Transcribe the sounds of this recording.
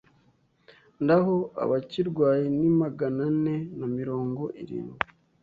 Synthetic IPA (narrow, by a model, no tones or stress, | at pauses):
ndaɦoa̰βaciɾɡwaːjinimaɡanane̞namiɾo̞ːŋɡo̞ʔḭɾḭːnɡwi